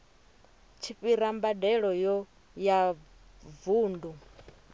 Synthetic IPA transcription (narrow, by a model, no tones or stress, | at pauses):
t͡ʃʰiɸiɾambadɛɺɔjɔ | ja | vuːndu